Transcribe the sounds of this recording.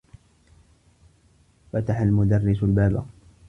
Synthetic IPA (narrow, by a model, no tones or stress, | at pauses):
fat̪aħalmʊd̪ɑrːɪsalbaːba